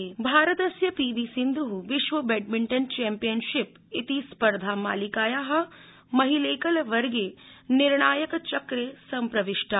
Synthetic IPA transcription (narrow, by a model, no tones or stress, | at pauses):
bʱaːɾət̪ɐsjɐpiːʋiːsɪ̃nd̪ɾuɦuʋɪʃʋɐbeːʈmɪ̃ɳʈənt͡ʃɛːmpijənʃɪp | ɪt̪ispɐɾd̪ʱaːma̰ːlikaːjaːɦɐ̆ | mɐɦileːkɐlʋɐɾɡenɪɾɳaːjəkt͡ʃɐkɾeːsɐmpɾɐʋɪʃʈa